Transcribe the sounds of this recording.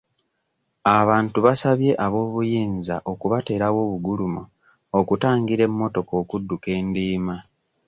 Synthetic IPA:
aβaːntuβasaβje̞ʔaβo̞ːβujiːnza̰ʔo̞kuβate̞ːɾawo̞ːβuɡulumu | okutaːŋɡiɾe̞mːo̞to̞ko̞ːkudːuke̞ːndiːma

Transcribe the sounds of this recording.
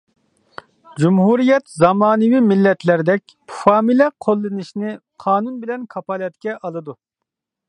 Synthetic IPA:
d͡ʒumɦuɾijɛt̪zɑmɑːnɨwimilːɛt̪ʰlæɾd̪ɛkʲ | fɑːmilɛqʰolˠːɨnɨʃnɪqʰɑːnunbɪlɛnkʰɑpɑlˠɛt̪kʲɛʔɑlˠɨd̪u

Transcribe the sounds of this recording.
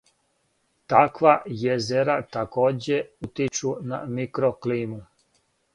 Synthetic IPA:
t̪akʋajezeɾat̪akoːd͡ʑeut̪it͡ʃuna̰mikɾokliːmu

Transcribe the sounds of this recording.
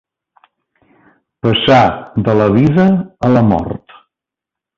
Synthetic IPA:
pəsaðələβ̞iðəələmɔ̰rt̪

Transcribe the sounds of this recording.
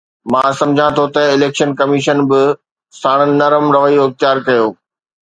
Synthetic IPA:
mãːsɐ̃md͡ʑʱãt̪ʰot̪ɐɪleːkʃənkɐmiʃənbɪ | saːɽ̃ənɪːɐɾəmɾɐʋəioɪxt̪jaːɾkɐjoː

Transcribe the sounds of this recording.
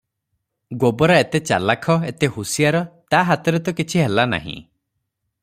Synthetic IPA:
ɡobɔɾaet̪et͡ʃa̰lakʰɔet̪ehusijaɾɔt̪aɦat̪ɔɾet̪̬ɔkit͡ʃʰiɦelana̰ɦḭ̃

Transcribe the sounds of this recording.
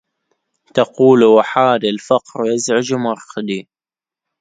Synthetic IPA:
t̪ɑquːlwaħaːd̪alfɑqɾwjazʕɪd͡ʒmɑɾˤxd̪i

